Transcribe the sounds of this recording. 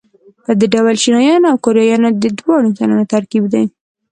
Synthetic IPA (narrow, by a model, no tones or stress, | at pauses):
pəd̪əɖawalʃinɑjɑnawkoɾjɑjɑnod̪əd̪wɑɽosananat̪aɾkibd̪aj